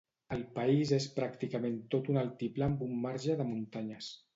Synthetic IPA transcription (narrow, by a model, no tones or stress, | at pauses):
əlˠpəizespɾakt̪ikəment̪ot̪unalˠt̪iplambumːaɾʒəðəmunt̪aɲəs